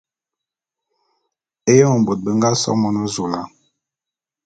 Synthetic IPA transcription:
e˦jə˦ə˨m̩˨bo˨t̚bə˦ŋɡa˦sɔ̰˦mɔ˦nɔ˦zo˨la˨˦˨

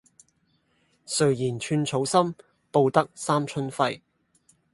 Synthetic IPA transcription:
sɵ˨ɥjiː˨˩nt͡ʃʰyː˧nt͡ʃʰo˨˥wsɐ˥m | po˧wt̪ɐ˥k̚saː˥mt͡ʃʰɵ˥nfɐ˧j

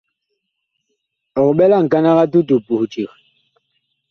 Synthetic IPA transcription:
ɔ˨kɓɛ˦la˦˨ŋ̩˨ɡa˦na˦ɣa˦du˦du˨bu˨hd͡ʒi˨k

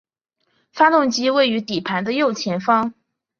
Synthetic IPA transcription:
fa˥t̪ʊ˥˩ŋt͡ɕi˥we˥˩ɪy˧˥t̪i˨˩pʰa˧˥nd̪ə˧jo˥˩ʊt͡ɕʰjɛ˧˥nfɑ˥ŋ

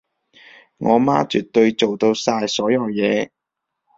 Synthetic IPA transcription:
ŋɔː˨˧ma̰ː˥t͡ʃyː˨t̪̚ːɵ˧ɥt͡so˨wt̪o˧wsaː˧jsɔː˨˥jɐ˨˧wjɛː˨˧

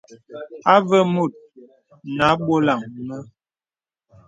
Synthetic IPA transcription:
a˦və˦mu˦˨t̚ | na˨˦ɓo˦la˨ŋmə˦

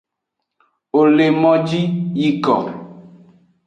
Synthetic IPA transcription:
o˨le˨mɔ˦d͡ʒi˦ji˦kɔ̰˨

